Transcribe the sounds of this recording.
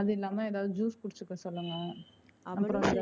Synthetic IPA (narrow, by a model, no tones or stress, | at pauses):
ɐðɪlːaːmeːeːðaːʋðɯd͡ʒuːskʊɽɪt͡ʃːɯkːɐsɔlːɐŋɡɐ | ɐpːɔɾɐʋ